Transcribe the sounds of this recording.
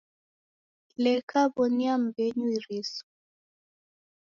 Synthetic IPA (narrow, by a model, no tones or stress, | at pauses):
lɛkʰaβɔniam̩bɛɲuiɾisɔ̥